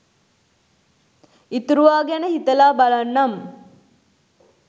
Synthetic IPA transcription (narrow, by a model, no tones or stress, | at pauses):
it̪uɾuʋaːɡænəhit̪əlaːbalanːam